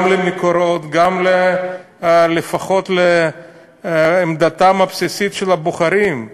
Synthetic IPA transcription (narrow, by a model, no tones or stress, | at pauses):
mlemekoɾot̪ɡamle | lefaχo̞t̪le | md̪at̪amapsisit̪ʃelaboχaɾim